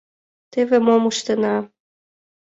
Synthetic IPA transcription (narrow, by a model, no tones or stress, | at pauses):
t̪evemomuʃt̪ə̆nɑ